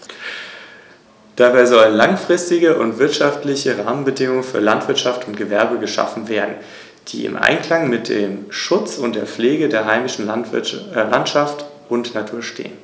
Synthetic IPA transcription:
d̥aːbaɪzɔlənlaŋfʁ̥ɪstɪɡəʔʊntv̥ɪɐtʃaftlɪçəʁaːmənbədɪŋʊŋənfyːɐlantv̥ɪɐtʃaftʊntɡ̥əvɛɐbəɡəʃa̰fn̩veːɐdn̩ | d̥ḭːɪ̰mʔa̰ɪnkl̥aŋmɪt̚d̥eːmʃʊt͡sʊntd̥eːɐp͡fleːɡədeːɐɦaɪmɪʃn̩ | lantʃaft | ʊntnatʰuːɐʃtḛːən

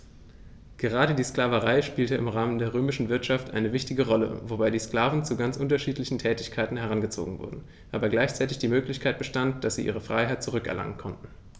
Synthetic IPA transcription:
ɡ̥əʁ̞aːɾədiːsklaːvəʁaɪʃpiːltəʔɪmʁaːməndeːɐʁøːmɪʃn̩vɪɐtʃaftʔa̰ɪnəvɪçtɪɡəʁɔlə̰vobaɪdiːskl̥aːvn̩t͡suɡant͡sʔʊntɐʃiːtlɪçn̩tʰɛːtɪçkʰaɪtn̩hɛʁ̞anɡət͡so̰ːɡŋ̩vʊ̰ɐdn̩ | ʔaːbɐɡlaɪçt͡saɪtɪçd̥iːmøːklɪçkʰaɪt̚b̥əʃtantd̥asz̥iːʔḭːʁ̞əfʁ̥a̰ɪɦaɪt̚t͡suʁʏkɛɐla̰ŋənkʰɔntn̩

